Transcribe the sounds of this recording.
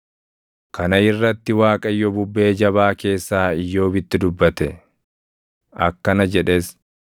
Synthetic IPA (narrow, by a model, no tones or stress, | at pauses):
kʰɐnɐɪrːɐt̪ːɪwaːkʼɐjːɔbʊbːe̞ːd͡ʒɐβaːke̞ːsːaːɪjːo̞ːbɪt̪ːɪd̪ʊbːɐt̪ɛ | ʔɐkːɐnɐd͡ʒɛᶑes